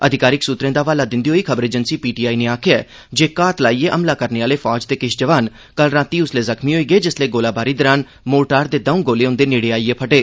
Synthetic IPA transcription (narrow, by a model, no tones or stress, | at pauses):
əd̪ʱɪkaːɾɪksuːt̪ɾẽːd̪aːʋaːlaːd̪ɪnd̪iːɦoːiːkʰəbəɾeːd͡ʒənsiːpiːʈiːaːiːneːaːkʰeɛː | d͡ʒeːkaːt̪laːiːeːʔəmlaːkəɾneːaːleːpʰɔːd͡ʒt̪eːkɪʃd͡ʒəʋaːn | kəlɾãːt̪iːʊsleːzəkʰmĩːɦoːiːɡəeːd͡ʒɪsleːɡoːlaːbaːɾiːd̪ɔːɾaːn | moːʈaːɾd̪eːd̪əũːɡoːleːʊ̃nd̪eːneːɽeːaːiːeːpʰəʈeː